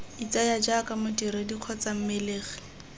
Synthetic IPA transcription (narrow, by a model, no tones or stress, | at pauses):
it͡sajad͡ʒakʼamʊtiɾediq͡χʰɔt͡sam̩meleːɣɛ̥